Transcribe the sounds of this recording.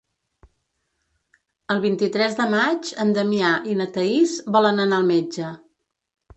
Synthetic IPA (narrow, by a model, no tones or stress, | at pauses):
əlˠβint̪it̪ɾɛzðəmad͡ʒənd̪əmiaʔinət̪əizbɔlənənaəlˠmed͡ʒə